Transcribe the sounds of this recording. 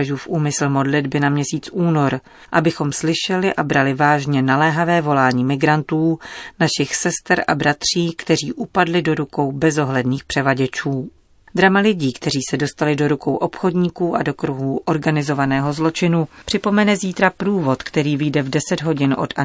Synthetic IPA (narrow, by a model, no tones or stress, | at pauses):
ʒuːfʔuːmɪsl̩mo̞dlɪdbɪnamɲɛsiːt͡sʔuːno̞ɾ | ʔabɪxo̞mslɪʃɛlɪʔabɾalɪvaːʒɲɛnalɛːɦavɛːvo̞laːɲiːmɪɡɾant̪uːnaʃɪxsɛst̪ɾʔa̰bɾat̪r̝̥iːkt̪ɛr̝iːʔupadlɪdo̞ɾuko̞wbɛzo̞ɦlɛdniːxpr̝̥ɛvaɟɛt͡ʃuː | d̪ɾamalɪɟiːkt̪ɛɾiːsɛdo̞st̪alɪdo̞ɾuko̞wʔo̞pxo̞dɲiːkuːʔado̞kɾuɦuːʔo̞ɾɡanɪzo̞vanɛːɦo̞zlo̞t͡ʃɪnupr̝̥ɪpo̞mɛnɛziːt̪ɾapɾuːvo̞t̪kt̪ɛɾiːvɪjdɛvdɛsɛdɦo̞ɟɪnʔo̞̰tʔa